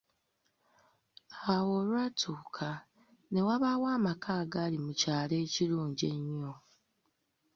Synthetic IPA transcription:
awo̞lwatʰuːkʰa | ne̞waβaːwaːmakaːɡaːlimucaːle̞ːciɾuːɲɟe̞ɲːo

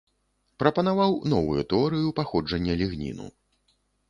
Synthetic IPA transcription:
pɾɐpɐnavawnɔvujut̪ɛɔɾɨjupaxɔd͡ʐɐnʲːɐlʲiɣnʲḭnṵ

